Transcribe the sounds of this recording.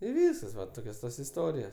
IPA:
ɪ ˈʋʲiːskɐs ʋɐ ˈtoːkʲoːs ˈtoːs ɪˈstoːrʲɪjoːs

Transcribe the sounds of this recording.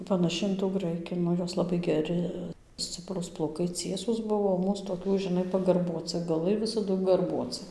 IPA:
pɐnɐˈʃʲɪ ɪn tuː ˈɡrɐɪkʲɪ ˈnʊ ˈjoːs lˠɐˈbɐɪ ɡʲɛˈrʲɪ ˈsʲt͡sʲɪpruːs plˠɐʊˈkɐɪ ˈt͡sʲiɛsuːs ˈbʊʋoː oː ˈmuːs toːˈkʲuː ʒʲɪˈnɐɪ pɐɡɐrˈbuɔt͡sɨ ɡɐˈlˠɐɪ ʋʲɪsɐˈdʊ ɡɐrbuɔt͡sɨ

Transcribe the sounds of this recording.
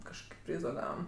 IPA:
kɐʃˈkoːkʲɪ ˈpʲrʲiːzoː ˈɡɑːʋɐm

